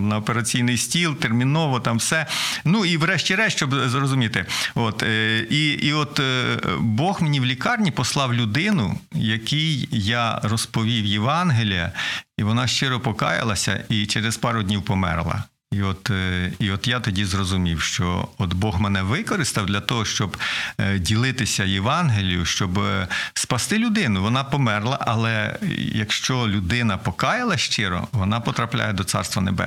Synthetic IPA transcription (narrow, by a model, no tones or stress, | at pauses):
nɐɔpeɾɐt͡sʲijnɪjsʲtʲilˠt̪ermʲinɔʋɔt̪ɑmwsɛnuiwɾɛʃtʲiɾɛt͡ʃt͡ʃɔbzrɔzʊmʲit̪ɪɔt̪iiɔt̪ | bɔxmenʲiwlʲikɑrnʲipɔslˠɑwlʲʊd̪ɪnʊ̰jɐkijjɑrɔspɔʋʲiwjeʋɑnɦelʲijɐ̰iʋɔnɑʃt͡ʃɪɾɔpɔkɑ̰jɪ̰lˠɐsʲɐ̰it͡ʃɛɾespɑɾʊdʲnʲiwpɔmɛ̰rlˠɐ̰ | iɔt̪iɔt̪jɑt̪ɔdʲizrɔzʊmʲiwʃt͡ʃɔ̰ɔt̪bɔɦmɛnɛʋɪkɔɾɪst̪ɐwd̪lʲɐt̪ɔɦɔʃt͡ʃɔbdʲilˠɪt̪ɪsʲɐjeʋɑnɦelʲijʊʃt͡ʃɔbspɐst̪ɪlʲʊd̪ɪnʊʋɔnɑpɔmɛrlˠɐ̰ʔɐlˠɛjɐkʃt͡ʃɔlʲʊd̪ɪnɐpɔkɑjɪlˠɐʃt͡ʃɪɾɔ̰ʋɔnɑpɔt̪ɾɐplʲa̰jɛd̪ɔt̪sɑ̰rst̪ʋɐnḛbɛ̰